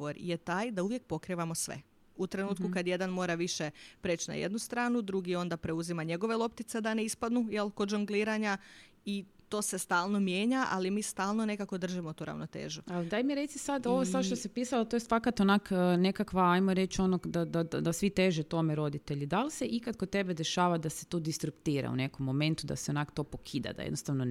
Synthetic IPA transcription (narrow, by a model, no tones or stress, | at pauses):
oɾje̞t̪aːjd̪auʋje̞k̚po̞kɾiʋamo̞sʋḛ | ut̪ɾe̞nuːt̪kukad̪je̞d̪anmo̞ːɾaʋiʃe̞pɾeːt͡ʃna̰jḛd̪nust̪ɾaːnud̪ɾuɡio̞nd̪apɾe̞uzimaɲe̞ɡo̞ʋe̞lˠo̞pt̪it̪se̞d̪aneispad̪nujelko̞d̪d͡ʒuŋɡliːɾaɲa | it̪o̞ːse̞st̪aːlˠnomje̞ːɲaʔa̰limiːst̪aːlˠnone̞kako̞d̪r̩ʒimot̪uːɾa̰ʋnot̪ḛːʒualid̪ajmiɾet̪sisad̪oʋosaʃt̪osipiːsalat̪ojest̪fakat̪onaːkːne̞kakʋaajmoɾe̞t͡ʃo̞nod̪ad̪ad̪asʋit̪eʒet̪o̞meɾo̞d̪it̪e̞ʎid̪aliseʔikat̪̚kot̪e̞bed̪e̞ʃaːʋad̪ase̥t̪od̪ist̪ɾupt̪iːɾa̰ṵne̞komːome̞nt̪ud̪a̰seonakt̪o̞pokʰiːd̪a̰d̪a̰jḛd̪nost̪aʋno